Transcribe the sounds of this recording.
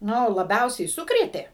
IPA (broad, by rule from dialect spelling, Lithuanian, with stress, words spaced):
ˈnʊ lˠɐˈbʲɛʊsʲɛɪ ˈsʊkrʲeːtʲeː